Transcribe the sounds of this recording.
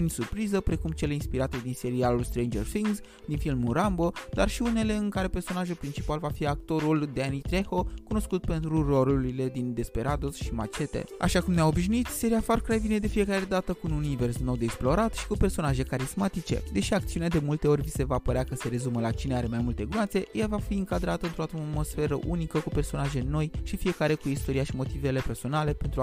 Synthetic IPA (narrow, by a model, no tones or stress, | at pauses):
unisurpɾizəpɾe̞kumt͡ʃe̞leinspiɾat̪e̞d̪inse̞ɾialulst̪ɾejnd͡ʒerfiŋɡz | d̪infilmuɾambo̞d̪arʃiune̞le̞ɨŋkaɾe̞pe̞rso̞naʒulpɾint͡ʃipalvafiakt̪o̞ɾuld̪eanit̪ɾe̞xo̞kuno̞skut̪pe̞nt̪ɾuro̞ɾuɾile̞d̪ind̪e̞spe̞ɾad̪o̞sʃima̰t͡ʃe̞t̪ḛa̰ʃakumneao̞biʃ̬nuit̪se̞ɾiafarkɾajvine̞d̪e̞fije̞kaɾe̞d̪at̪əkuununive̞rsno̞wd̪eeksplo̞ɾat̪ʃi̥kupe̞rso̞naʒe̞kaɾizmat̪it͡ʃe̞̰d̪e̞ʃiak̚t̪siunead̪e̞mult̪e̞o̞rʲvise̞vapəɾeakəse̞ɾe̞zuməlat͡ʃineaɾe̞majmult̪e̞ɡɾuat̪se̞javafiɨŋkad̪ɾat̪əɨnt̪ɾo̞at̪mo̞sfe̞ɾəʔunikəkupe̞rso̞naʒe̞no̞jʃifije̞kaɾe̞kuist̪o̞ɾiaʃimo̞t̪ive̞le̞pe̞rso̞nale̞pe̞nt̪ɾu